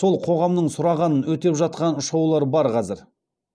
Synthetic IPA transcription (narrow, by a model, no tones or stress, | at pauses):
so̞lˠqʰo̞ʁɑmnəɴsʊɾɑʁɑnənwɵt̪e̞pʒɑt̪̚qɑnʊʃɑwlˠɑɾbɑɾqʰɑzɪɾ